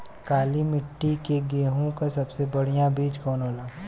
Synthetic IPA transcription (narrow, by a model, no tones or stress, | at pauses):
kaːlimɪʈːikeɡeːɦõkasɐbsebɐɽ̤ijãbiːd͡ʒkɔːnɦoːlaː